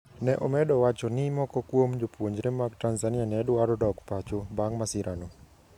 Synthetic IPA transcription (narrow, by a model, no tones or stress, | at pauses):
nɛʔɔmɛdɔwat͡ʃɔnɪmɔkɔkwomd͡ʒopwoɲd͡ʒɾemaktanzanianɛdwaɾɔdɔkpat͡ʃobaŋmasɪɾano